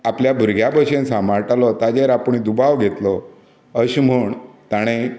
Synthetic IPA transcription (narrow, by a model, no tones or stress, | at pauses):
apljabʱuɾɡʱjabəɕensamaɾʈalɔt̪ad͡ʑeɾapəɳ̃id̪ubaʋɡʱet̪lɔ | əɕm̤əɳt̪aɽ̃e